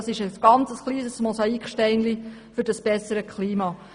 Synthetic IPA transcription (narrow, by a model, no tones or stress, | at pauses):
sɪʃəsɡ̥ɑnt͡səsχliːsəsmɔsɑikχʃtɛɪnlifɵɾdɑsb̥ɛsːəɾəkʰχliːmɑː